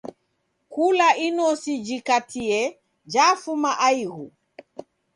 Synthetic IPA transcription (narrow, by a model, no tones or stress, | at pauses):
kulaʔinɔsid͡ʒikatʰiɛ | d͡ʒafumaʔaiɣu